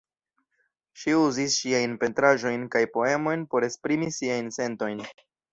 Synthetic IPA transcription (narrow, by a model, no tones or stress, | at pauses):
ʃiuzisʃiajnpe̞ntɾaʒo̞jnkajpo̞e̞mo̞jnpo̞ɾe̞spɾimisiajnse̞nto̞jn